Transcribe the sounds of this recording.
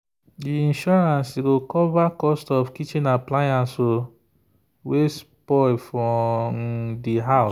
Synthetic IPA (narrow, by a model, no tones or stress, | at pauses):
diĩnʃɔɹãnsiɡokɔvakɔstɔfkit͡ʃĩnaplajãnso | wespɔlfɹɔmdiɦa